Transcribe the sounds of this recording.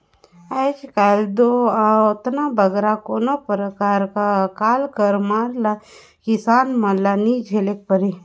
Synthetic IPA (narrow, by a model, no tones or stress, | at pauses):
at͡ʃkald̪oaot̪nabʱəɡɾakonapɾəkaːɾkakaːlkəɾmaːɾla | kisaːnmalanid͡ʒʱelek̚pəɾi